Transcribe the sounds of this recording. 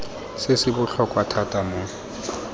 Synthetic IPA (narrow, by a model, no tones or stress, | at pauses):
sɪsɪbʊɬɔkʼwatʰatʼamʊ